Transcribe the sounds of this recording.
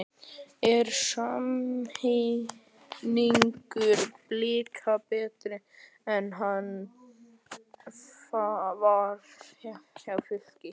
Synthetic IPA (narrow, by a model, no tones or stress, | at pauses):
ɛɾsamhe | niŋkʏɾbliːɾkʰapɛːt̪ɾɪ | ɛnɦan | favaɾçawfɪl̥cɪ